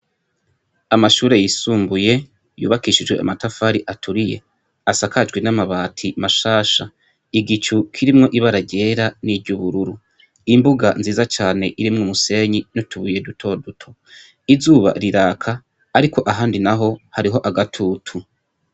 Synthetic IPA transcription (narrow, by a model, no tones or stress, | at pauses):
amaʃuːɾe̞jisuːmbuje̞ | jṵːβakiːʃid͡ʒɡwe̞̰ʔa̰matafaɾiʔatʰuɾije̞̰ | asakad͡ʒɡwenamaβaːtʰimaʃaːʃa | iɡit͡ʃukʰiɾimŋo̞ʔiβaɾaɟe̞ːɾaniɟuβuɾuɾu | imbuɡanziːzat͡ʃaːne̞ʔiɾimŋumuse̞ɲinotʰuβuje̞dutʰo̞dutʰo̞ | izuːβa̰ɾiɾaːkʰaː | ɾikʰo̞ʔaɦaːndinaɦo̞haɾiɦo̞ʔaɡatʰuːtʰu